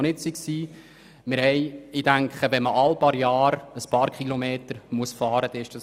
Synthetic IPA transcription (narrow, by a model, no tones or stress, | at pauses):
nɪtsiksiː | mɪɾhɛɪɪd̥æŋkχəʋɛnməʔɑlpɑɾjɑːɾəspɑːɾkχilɔmeːtəɾmuəsfɑːɾəd̥ɛɪʃd̥ɑ